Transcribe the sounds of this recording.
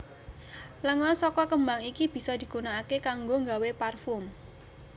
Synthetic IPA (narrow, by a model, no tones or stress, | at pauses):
ləŋɔsɔkɔkəmbaŋikib̥i̤sɔd̪̥i̤ɡ̥unaakekaŋɡoŋɡaweparfʊm